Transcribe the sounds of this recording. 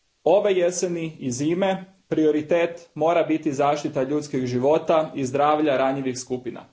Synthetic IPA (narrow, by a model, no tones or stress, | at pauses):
o̞ʋejeseniiziːme̞ | pɾio̞ɾit̪eːt̪mo̞ːɾabit̪izaːʃt̪it̪aʎuːt̪skiɡʒiʋo̞t̪aizd̪ɾaːʋʎaɾaɲiʋixskupina̰